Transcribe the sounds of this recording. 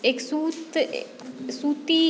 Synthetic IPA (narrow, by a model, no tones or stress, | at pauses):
eksuːt̪ | suːt̪i